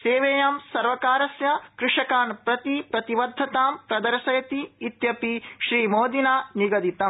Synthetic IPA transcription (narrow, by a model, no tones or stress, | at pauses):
seːʋeːjɐmsɐɾʋɐkaːɾɐsjɐkɾɪʂɐkaːnpɾɐt̪ipɾɐt̪iʋɐd̪ʱːɐt̪aːmpɾɐd̪ɐɾʃɐjɐt̪iːt̪jɐpiʃɾiːmoːd̪inaːniɡɐd̪it̪ɐ